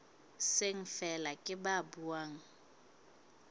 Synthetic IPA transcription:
seŋ̩fɛlakʼɪbabuaːŋ̩

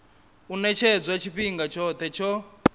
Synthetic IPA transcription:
unɛt͡ʃʰɛd͡zwat͡ʃʰiɸiŋɡat͡ʃʰɔt̪ʰɛt͡ʃʰɔ

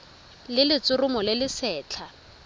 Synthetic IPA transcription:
lɪlɪt͡sʼʊrʊmɔlɪlɪsɛːt͡ɬʰa

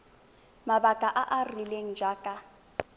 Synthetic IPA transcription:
mabakʼaʔaʔarileŋ̩d͡ʒaːkʼa

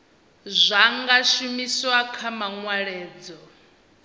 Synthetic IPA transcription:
zʷaŋɡaʃumiswakʰamaŋwaɺɛːd͡zɔ

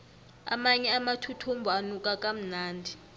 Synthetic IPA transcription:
a̰maɲɛamatʰutʰumbʱɔanukʼakʼam̩naːndʱi

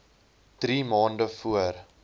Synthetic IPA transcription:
d̥rimɑːndəfuər

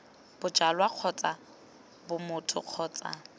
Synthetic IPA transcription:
b̥ʊd͡ʒalwaq͡χʰɔt͡sʼa | bʊmʊtʰʊ̰q͡χʰɔːt͡sʼa̰

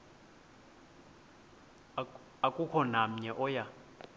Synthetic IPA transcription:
akʼukʰɔnam̩ɲɛʔɔja

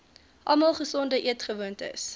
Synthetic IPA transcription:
ʔɐlmɐlˠχəsɔndəʔiətχəvuəntə̰s

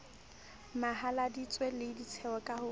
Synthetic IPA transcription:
mahaladit͡sʼwelɪdit͡sʰɛɔkʼahʊ

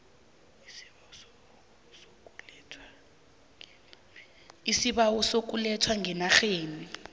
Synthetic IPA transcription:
isiɓawɔsok̬ulɛtʰwaŋɛnaxeːni

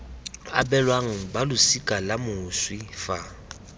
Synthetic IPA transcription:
a̰bɛlwaŋ̩balʊsikʼalamʊswifa

